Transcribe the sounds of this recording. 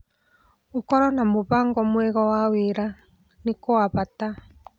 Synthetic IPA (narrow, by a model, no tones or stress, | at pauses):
ukɔɾɔnamoβaŋɡɔmwɛɣɔwaweɾa | nikɔaβata